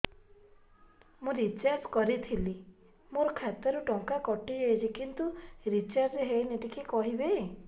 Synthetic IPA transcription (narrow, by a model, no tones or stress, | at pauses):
mũɾit͡ʃaɾskɔɾit̪ʰili | moɾɔkʰat̪ɔɾuʈɔŋkakɔʈid͡ʒejt͡ʃʰikint̪uɾit͡ʃaɾd͡ʒɦejneʈikikɔɦibe